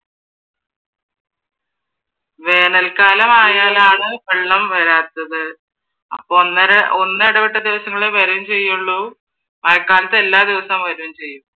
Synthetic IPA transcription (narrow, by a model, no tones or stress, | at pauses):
ʋe̞ːnɐlkaːlɐmaːjaːlaːɳɨpeɭːɐmʋɐɾaːt̪ːɐðɨ | ɐ̰p̪ːonːeɽɐpiʈːɐd̪iʋɐsɐŋːɐɭeʋɐɾumt͡ɕe̞jːuɭːu | ɐlkːaːlɐt̪ːe̞lːaːd̪iʋɐsɐmʋɐɾuumt͡ɕe̞jːum